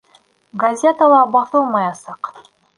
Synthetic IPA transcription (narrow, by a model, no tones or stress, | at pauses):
ɡazʲet̪əlˠɑbɑθɤlˠmɑjɑsɑq